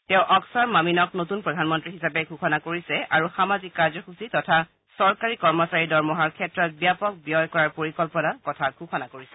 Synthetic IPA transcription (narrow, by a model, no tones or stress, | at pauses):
tɛʊ̃ʔɔksaɹmaminɔk̚notunpɹɔdʱanmɔntɹiɦisapɛɡʱuxʰɔnakoɹisɛʔaɹuxamazikkːaɹzɔxusitɔtʰa | sɔɹkaɹikɔɹmɔsaɹidɔɹmɔɦaɹkʰɛtɹɔt̚bijapɔk̚bijɔjkɔɹaɹpoɹikɔlpɔnakɔtʰaɡʱuxʰɔnakoɹisɛ